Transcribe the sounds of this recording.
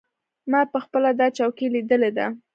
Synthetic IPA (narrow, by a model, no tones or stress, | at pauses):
mɑpəxpəlad̪ɑt͡ʃɑwkelid̪əled̪a̰